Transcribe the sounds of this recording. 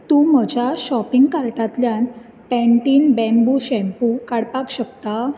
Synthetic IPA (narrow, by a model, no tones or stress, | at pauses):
t̪ũm̤əd͡ʑjaɕɔpiŋɡkaɾʈat̪ljan | pɛ̃ɳʈiːnbɛ̃mbuɕɛ̃mpukaɽpakɕəkt̪a